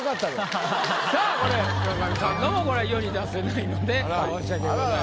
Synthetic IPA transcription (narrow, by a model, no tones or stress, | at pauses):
kat̪ːad̪esaːko̞ɾeakamʲisãnːomoko̞ɾeijoɲ̟id̪asenaino̞d̪e̞aoɕake